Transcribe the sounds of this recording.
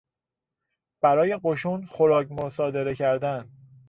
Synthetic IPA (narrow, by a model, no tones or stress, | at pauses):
b̥æɾɒːje̞ɢoʃuːnxo̞ɾɒːcmosɒːd̪e̞ɾe̞cʰæɾd̪æn